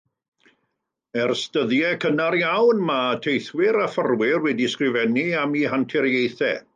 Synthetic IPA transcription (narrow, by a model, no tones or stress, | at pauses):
ɛrstəðjɛkʰənarjawnmatʰejθwɪɾafərwɪrwɛdiskrɪvɛniamiɦantʰɪɾjejθɛ̰